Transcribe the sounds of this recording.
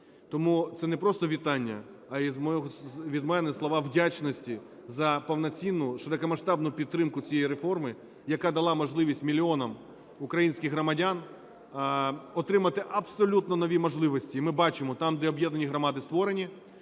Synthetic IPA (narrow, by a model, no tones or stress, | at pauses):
t̪ɔmut̪sɛnɛpɾɔst̪ɔʋʲit̪ɑnʲːɐ̰ | ɐizmɔɔɦɔʋʲid̪mɛnɛslˠɔʋɑwdʲat͡ʃnɔsʲtʲi | zɐpɐwnɐt͡sʲinːʊʃeɾɔkɐmɐʃt̪ɑbnʊpʲid̪t̪ːɾɪmkʊt͡sʲijɛjiɾefɔrmɪ | jɐkɑd̪ɐlˠɑmɔʒlˠɪʋʲisʲtʲmʲilʲɪɔnɐm | ukɾɐjinʲsʲkʲɪxɦrɾɔmɐdʲan | ɔt̪ɾɪmɐt̪ɪʔɐbsɔlʲut̪nɔnɔʋʲimɔʒlˠɪʋɔsʲtʲiːmɪbɑt͡ʃɪmɔt̪ɑmd̪ɛɔbjɛd̪nɐnʲiɦɾɔmɑd̪ɪst̪ʋɔɾenʲi